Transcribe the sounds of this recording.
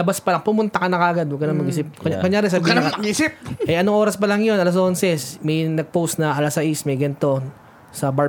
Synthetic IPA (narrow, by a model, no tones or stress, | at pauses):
lɐbaspɐlɐŋpʊmʊnt̪ɐkɐnɐkɐʔɐɡad̪wɐɡkɐnɐŋmɐɡʔisɪp̚kkoɲaːɾɛsɐbiːmɐɡisɪpʔɛʔɐnoŋʔoːɾɐspɐlɐŋjo̞nɐlɐs̬ʔonsɛsmɐjnɐɡ̚powst̪nɐʔɐlasɐʔismɐjɡɐnt̪o̞ | sɐba